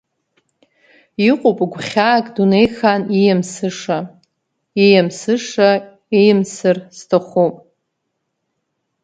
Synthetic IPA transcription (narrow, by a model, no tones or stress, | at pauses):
iqʼopʼɡʷχʲaːkʼdunejxanijamsɨʂa | ejamsɨʂa | ejmsɨrstʰaχʷupʼ